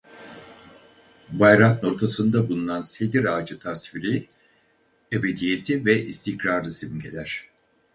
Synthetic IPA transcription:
bajɾant̪no̞ɾt̪ʰasɯnd̪abulˠunansed̪iɾaːd͡ʒɯt̪ʰasviɾi | ebe̞d̪ije̞t̪ʰivɛʔist̪ʰikɾaɾlɯsimɟe̞lʲæɾ̥

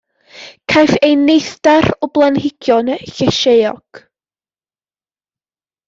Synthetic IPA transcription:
kʰajfejnejθdaɾɔblˠanɦɪɡ̥jɔnɬɛʃejɔ̰ɡ̥

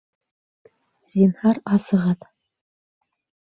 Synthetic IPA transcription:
zʲinhɑɾɑsɤ̆ʁɑð

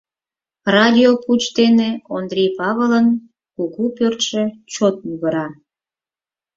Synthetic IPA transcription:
rɑd̪ʲioput͡ɕt̪eneond̪rʲejpɑβələn | kuɣupørt̪ʃet͡ɕot̪̚muɣəɾɑ

